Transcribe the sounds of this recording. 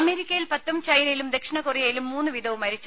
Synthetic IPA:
ɐme̞ːɾikʲːɐjilpɐt̪ːumt͡ɕɐjnɐjilumd̪e̞kʂɐɳɐkurijɐjilumːuːnːɨʋid̪ʱɐʋumɐɾit͡ɕːu

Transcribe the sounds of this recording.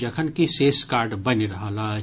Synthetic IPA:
d͡ʒɐkʰənkiseːskaːɾɖbəniɾɐɦala

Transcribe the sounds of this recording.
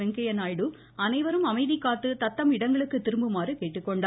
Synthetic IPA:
ɛŋkɐjɐnaːjɽɯ | ɐnɐɪʋɐɾɯmɐmɐɪðɪkːaːʈːɯt̪ɐt̪ːɐmɪɽɐŋɡɐɭɯkːɯt̪ɪɾɯmbɯmaːrɯkeːʈːɯkːɔɳɖaː

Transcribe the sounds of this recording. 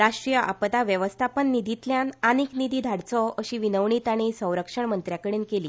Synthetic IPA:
ɾaʂʈɾijəʔa̰pt̪aʋjəʋəst̪ʰapənːid̪ʱit̪ljananiːknid̪iːd̪ʱaɽt͡sɔəɕiːʋinəʋɳiːt̪aɽ̃isə̃w̃ɾəkʂəɳmənt̪ɾjakəɽeːnkeliː

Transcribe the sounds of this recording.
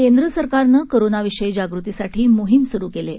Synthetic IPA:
kend̪ɾəsəɾkaɾnəːkoɾonaʋiʂəjd͡ʑaɡɾut̪isaʈʰiːmoɦimsuɾuːkele

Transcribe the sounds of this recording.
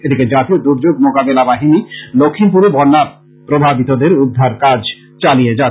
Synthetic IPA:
ed̪iked͡ʑat̪iod̪uɾd͡ʑoɡmokabelabaɦinilokʰːimpuɾebɔɾnːa | pɾobʱabit̪od̪eɾud̪ʱːaɾkad͡ʑ | t͡ɕalied͡ʑa

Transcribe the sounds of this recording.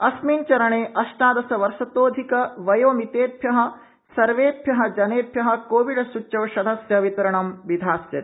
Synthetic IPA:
ɐsmiːnt͡ʃɐɾɐɳeːʔɐʃʈaːd̪ɐsɐʋɐɾʃɐt̪oːd̪ʱikɐʋɐjoːmit̪eːt̪jɐɦɐ̆ | sɐɾʋeːt̪jɐɦɐ̆d͡ʒɐneːp̪jɐɦɐ̆koːʋiɖɐsuɐʋʃɐd̪ʱɐsjɐʋit̪ɐɾɐɳɐmʋid̪ʱaːsjɐɾi

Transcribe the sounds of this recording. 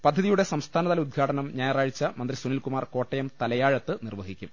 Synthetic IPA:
pɐd̪ʱːɐðijuɽe̞sɐmst̪ʰaːnɐðɐlɐud̪̚ɡʰʱaːʈɐnɐmɲaːjɐraːɻit͡ɕːɐmɐnd̪risunilkumaːrko̞ːʈːɐjɐmt̪ɐlɐjaːɻɐt̪ːɨnirʋɐɦikʲːum

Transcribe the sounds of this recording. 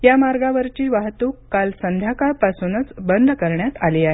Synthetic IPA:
jamaɾɡaʋəɾt͡ɕiːʋaɦt̪uːkːalsənd̪ʱjakaɭpasunət͡sbənd̪ʱkəɾɳjat̪aliːaɦe

